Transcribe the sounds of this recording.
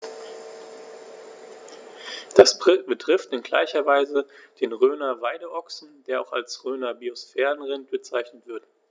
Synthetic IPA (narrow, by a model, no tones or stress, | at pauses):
d̥asbʁɪb̥ətʁ̥ɪftɪnɡla̰ɪçɐvaɪzəd̥eːnʁøːnɐvaɪdəʔɔksn̩d̥eːɐaʊxa̰lsʁøːnɐbiosfɛːʁənʁɪntb̥ət͡saɪçnətv̥ɪɐt